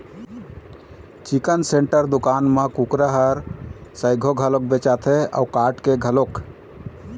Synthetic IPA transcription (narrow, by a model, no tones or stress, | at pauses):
t͡ʃikənseɳʈəɾd̪ukanmekukɾəɦəɾsəjɡʱoɡʱəlok̚bet͡ʃat̪ʰea̰ukaʈkeɡʱəlok